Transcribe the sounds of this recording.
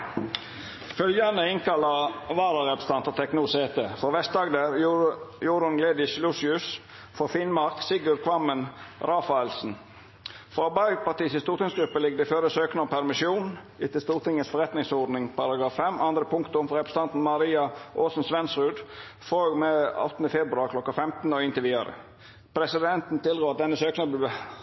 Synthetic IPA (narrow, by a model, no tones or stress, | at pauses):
fœljɑnəɪŋkɑlɑʋɑːɾəʁɛpɾəsə̥t̪ɑnt̪ət̪ʰɛknuːseːt̪əfɾoʋɛst̪d̪ɑːɡd̪æːɾjʊɾɑnɡleːd̪ɪʃlusɪʉs | fɔfɪnmɑʁksɪɡʊɾkʰʋɑmənɾɑːfɑɛlsn̩ | fɾɑɑbɑɪpɑt̪iːsɪst̪uːɾt̪ʰɪŋsɡɾʉpːəlɪɡːəd̪iføɾəsøːknəɔmpʰæɾmɪʃjuːn | ɪt̪ɪlst̪uːɾt̪ʰɪŋəsfɔɾɛt̪nɪŋsɔɾd̪nɪŋpʰɑɾɑɡɾɑːfːɛmɑnd̪ɾəpʰʊŋkt̪ʊmfɔɾɛpɾəsəɑnt̪n̩mɑɾiːɑʔoːsn̩sʋɛnsʁʉːd̪foɡmɛɑ̰t̪n̩d̪əfɛbɾʉɑɾkʰlɔkːɑfɛmt̪n̩ɔɪnt̪ɪʋiːd̪ɑ̰ɾə̰ | pʰɾɛsɪd̪ɛnt̪n̩t̪ʰɪld̪ʁoːɑt̪̚d̪ɛnːəsøːknəb̪